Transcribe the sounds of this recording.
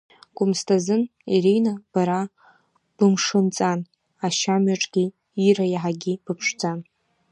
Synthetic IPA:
ɡ̥ʷʼʊmstʰazɨniɾejnab̥aɾa | b̥ɨmʂɨnt͡sʼan | aʃamɥaʈ͡ʂʼɡʲi | irajaħaɡʲib̥ɨpʰʂd͡zan

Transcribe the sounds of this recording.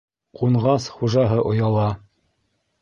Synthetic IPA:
quɴʁɑsχuʒɑɦɤʔŏjɑlˠɑ

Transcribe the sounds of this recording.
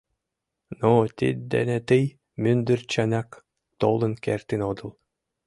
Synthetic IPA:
nɔːt̪ḭd̪ːɛ̰nɛt̪ɯj | mynd̪yɾt͡ɕɛnak | t̪ɔlˠɯnkɛ̰ɾt̪inɔd̪ulˠ

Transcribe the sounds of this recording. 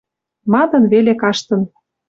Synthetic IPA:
mɑd̪ɤ̆nβelekɑʃt̪ɤ̆n

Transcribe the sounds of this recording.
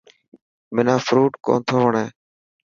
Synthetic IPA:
mɪnãːfɾuːʈko̰ːnt̪ʰoːʋəɳeː

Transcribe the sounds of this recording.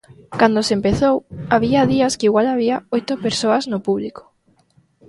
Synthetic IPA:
kand̪osempeθowaβiɐðiɐskɪiɣwalaβ̞iaojt̪ʊpeɾsoɐznʊpuβliko̥

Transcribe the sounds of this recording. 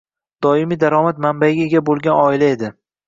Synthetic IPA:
d̪̥ɒɪmid̪aɾɒmat̪mambaɡʲɪɡʲabolˠɡʲanɒɪlae̞d̪ɪ

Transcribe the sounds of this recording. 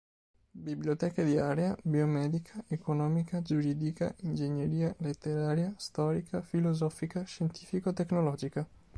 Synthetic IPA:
bibljot̪ɛːked̪iaːɾjabiomɛːd̪ikʰaʔekonɔːmikad͡ʒuɾiːd̪ika̰ind͡ʒeɲjeɾiːalet̪ːeɾaːɾjast̪ɔːɾikʰafilozɔfikaʃent̪iːfikot̪ːeknolɔːd͡ʒika

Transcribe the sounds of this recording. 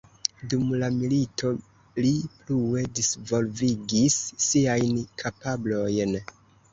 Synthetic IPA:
dumlamilito̞ | liplue̞disvo̞lviɡisːiajnkʰapablo̞jn

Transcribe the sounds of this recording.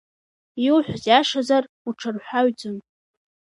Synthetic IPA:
iwħᶣʷzjaʂazar | uʈ͡ʂʰɨrħʷaɥd͡zɨn

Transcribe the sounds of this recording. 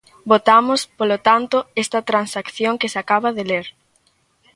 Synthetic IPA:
bot̪amʊspolot̪ant̪ʊɛst̪ɐt̪ɾansakθjoŋkesakaβɐðeleɾ

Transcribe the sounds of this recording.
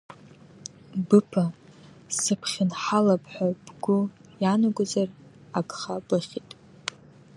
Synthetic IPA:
bɨpʰa | sɨpʰχʲɪnħalapʰʼħʷab̥ɡʷʊjanaɡʷazar | aɡχabɨχʲitʼ

